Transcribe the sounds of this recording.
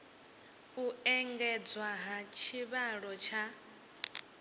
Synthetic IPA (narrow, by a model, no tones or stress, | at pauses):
uɛŋɡɛd͡zwaɦat͡ʃʰiβaɺɔt͡ʃʰa